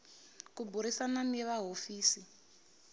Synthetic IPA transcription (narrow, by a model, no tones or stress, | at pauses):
kubʱuɾisananɛʋaɦofiːsi